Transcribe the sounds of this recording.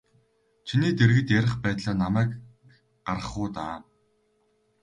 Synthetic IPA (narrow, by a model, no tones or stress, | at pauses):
t͡ɕʰiniːt̪eɾɣɘ̆t̪jæɾʲɪ̆χpæːt̪ɮaːnamæːk | ɢ̥aɾə̆χʊːt̪a̰ː